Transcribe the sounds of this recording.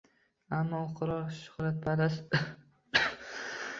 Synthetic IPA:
amːɒqʰɨɾɒɾʃʊ̥hɾat̪̚pʰalas

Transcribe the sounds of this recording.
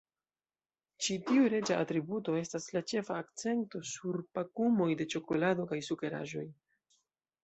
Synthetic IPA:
t͡ʃitiuɾe̞d͡ʒaʔatɾibuto̞e̞staslat͡ʃe̞faːk̚t͡se̞nto̞suɾpakumo̞jde̞t͡ʃo̞ko̞lado̞kajsuke̞ɾa̰ʒo̞j

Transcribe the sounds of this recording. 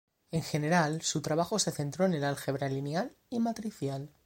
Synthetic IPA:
e̞ŋxe̞ne̞ɾalsut̪ɾaβaxo̞se̞θe̞nt̪ɾo̞ene̞lalxe̞βɾalinjal | imat̪ɾiθjal

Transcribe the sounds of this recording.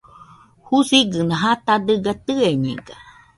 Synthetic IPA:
husiɡɨnãɦat̪ad̪ɨɡat̪ɨeɲḛ̃ɡa

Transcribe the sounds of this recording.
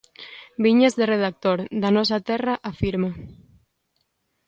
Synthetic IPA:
biɲezðereð̞ak̚t̪oɾd̪anɔsat̪ɛraʔafiɾma

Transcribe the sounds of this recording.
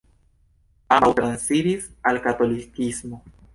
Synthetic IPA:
amawtɾansiɾisalkato̞likismo̞

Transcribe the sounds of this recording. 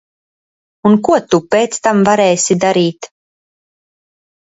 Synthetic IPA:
unkuɔt̪upɛːt̪st̪amvaɾɛːsid̪aɾiːt̪

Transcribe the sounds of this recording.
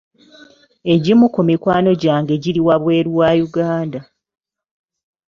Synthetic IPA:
e̞ɟimukumikwaːno̞ɟaːŋɡe̞ɟiɾiwaβwe̞ːɾuwaːjuɡaːnda

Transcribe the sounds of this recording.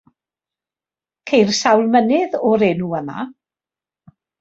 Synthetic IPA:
kʰejrsawlˠmənɪðɔɾeːnuəma̰

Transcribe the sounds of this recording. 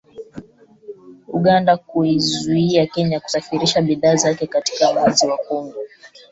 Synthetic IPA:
uɠandakuizuiakɛɲaku̥safiɾiʃaɓiðaːzakɛkati̥kaɓanziwakɔŋɡɔ

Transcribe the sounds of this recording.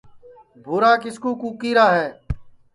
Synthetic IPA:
bʱuːɾaːkɪskuːkuːkiːɾaːɦɛː

